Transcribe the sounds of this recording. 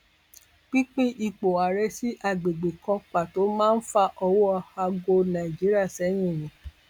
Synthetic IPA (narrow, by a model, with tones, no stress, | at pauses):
k͡pi˦k͡pĩ˦ʔi˦˧k͡po˨a˨ɾɛ˧˦si˦ʔa˦˨ɡ͡be˨ɡ͡be˨kã˧k͡pa˨to˨˦mãː˦n̩˦fa˧ʔɔ˧wo˦ɔ˧ha˧ɡo˧nã˨i˨d͡ʒi˨˦ɾi˦a˦˨sɛ˨˦j̃ĩ˦˨nĩ˨˦